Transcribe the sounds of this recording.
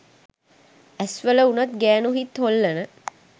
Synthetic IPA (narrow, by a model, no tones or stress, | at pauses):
æsʋələunɐt̪ɡæːnuɦit̪holːɐnə